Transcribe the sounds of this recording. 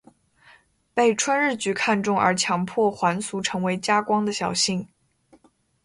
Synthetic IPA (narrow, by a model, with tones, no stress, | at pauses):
pe˥˩ɪʈ͡ʂʰwa˥nɻ̩˥˩t͡ɕy˧˥kʰa˥˧nʈ͡ʂʊ˥˩ŋə̰˞˧˥t͡ɕʰjɑ˧˥ŋpʰwɔ˥˩xwa˧˥nsu˧˥ʈ͡ʂʰɤ˧˥ŋwe˧˥ɪt͡ɕja˥kwɑ˥ŋd̪ə˨ɕjɑ˨˩ʊɕi˥˩ŋ